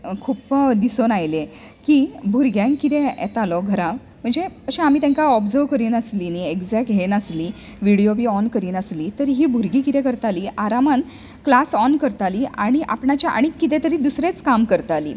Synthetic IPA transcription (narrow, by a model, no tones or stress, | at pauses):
kʰuːpd̪isonajle | kibʱuɾɡjãŋkːit̪ɛɛ̰t̪alɔɡʱəɾa | m̤əɳd͡zeəɕẽam̤it̪ẽŋkaɔbd͡zəʋkəɾiːnəslinieɡd͡zɛk̚ʈɦenəsli | ʋiɽijobiːɔnkəɾiːnəsliːt̪əɾɦiːbʱuɾɡiːkit̪ẽkəɾt̪aliːʔaɾaman | klasɔnkəɾt̪aliːaɽ̃iʔa̰pɳat͡ɕjaʔa̰ɽ̃ikːit̪ẽt̪əɾiːd̪usɾet͡skamkəɾt̪aliː